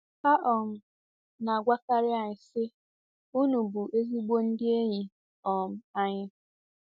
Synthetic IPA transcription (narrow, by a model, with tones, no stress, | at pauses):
pa˦ʔɔ˨m̩˦ | na˨a˨ɡʷa˦ka˦ɾɪ˦a˨ɲɪ˨sɪ˦ | u˦nu˨bu˨ʔe˦zi˦ɡ͡bo˦n̩˦dɪ˦e˦ɲi˨ | ɔ˨m̩˦a˦ɲɪ˦